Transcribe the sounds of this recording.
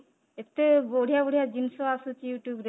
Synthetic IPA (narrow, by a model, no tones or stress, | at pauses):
et̪ːeboɽ̤ʱijaboɽijad͡ʒinsoasut͡ʃijuʈjubɾe